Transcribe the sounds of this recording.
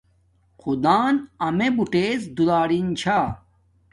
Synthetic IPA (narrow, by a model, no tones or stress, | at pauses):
qʰud̪aːnɐmebuʈeːsd̪ulaːɽint͡ɕʰa